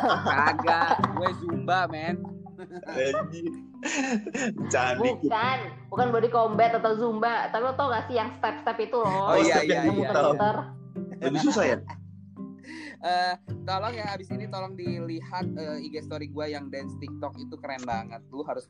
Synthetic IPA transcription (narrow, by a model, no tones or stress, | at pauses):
aɡaɡuazumbamɛn | əd͡ʒi | t͡ʃanbikan | bukanbuadikombɛt̪at̪auzumbat̪apiɔt̪ɔŋasɪjaŋst̪ɛpst̪ɛpit̪ulɔojaɛjaiutəat̪ər | ləbisusaja | ʔət̪olɔŋjaːbisinit̪olɔŋdiliɦat̪̚əiɡast̪oɾiɡuajaŋdɛnst̪ik̚t̪ɔk̚it̪ukəɾɛnbaŋət̪ːʊɦaɾʊs